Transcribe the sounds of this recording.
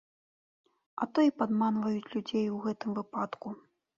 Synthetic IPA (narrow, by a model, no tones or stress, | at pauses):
ɐ̰t̪ɔipad̪manvɐjut͡sʲlʲud͡zʲejwɣɛt̪ɨmvɨpat̪ku